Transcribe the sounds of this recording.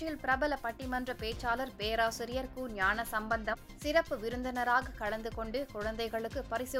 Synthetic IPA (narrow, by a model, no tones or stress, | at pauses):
jɪlpɪɾɐbɐlɐpɐʈːɪmɐndrɐpeːt͡ʃːaːlɐɾpeːɾaːsɪɾɪjɐɾkuːnjaːnɐsɐmbɐnd̪ɐm | sɪɾɐpːɯʋɪɾɯnd̪ɐnɐɾaːɣɐkɐɻɐnd̪ɯkɔɳɖɯkʊɻɐnd̪ɐɪɣɐɭɯkːɯpɐɾɪsɪ